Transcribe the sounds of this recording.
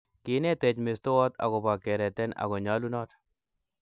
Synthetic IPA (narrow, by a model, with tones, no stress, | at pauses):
kɪ˨˦nɛ˦tɛ˨t͡ʃme˨sto˦ɔ˦t̪a̰˨ɡɔ˨ba˨kɛ˨ɾɛ˨t̪ɛ˦na̰˨ɡɔ˨ɲa˦lu˦nɔ˦t̪